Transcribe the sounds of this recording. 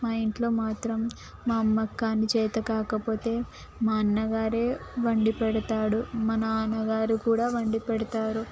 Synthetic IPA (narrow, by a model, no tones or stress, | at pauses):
maːiɳʈlo̞ːmaːt̪ɾɐmː | aːɐkːaːnːit͡ʃɛːt̪ɐkaːkɐpo̞ːt̪e̞ː | maːnːɐɡaːɾeːʋɐɳɖipɛɽɐt̪aːɽumɐnɐnɐɡaːɾikuːɽaːʋɐɳɖipɛɽɐt̪aːɾu